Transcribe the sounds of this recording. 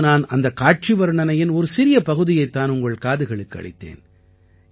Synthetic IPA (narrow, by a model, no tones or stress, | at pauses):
naːnɐnd̪ɐkaːʈ̚t͡ʃɪʋɐɾɯɳɐnɐjɪnɔɾɯsɪɾɪjɐpɐɣɯðɪjɐɪt̪ːaːnʊŋɡɐɭkaːðɯɣɐɭɯkːɐ̰ɭɪ̰t̪ːḛːn